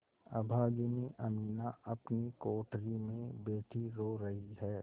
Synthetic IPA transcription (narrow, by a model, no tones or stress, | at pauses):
ɐ̰bʱaːd͡ʒəniʔɐmiːnaɐpnikoːʈɾimẽbeːʈʰiɾoːɾɐɦiɦɛː